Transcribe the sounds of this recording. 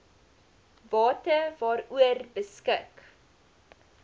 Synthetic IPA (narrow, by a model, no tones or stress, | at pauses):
vɑːtəvɑːɾuərbəskək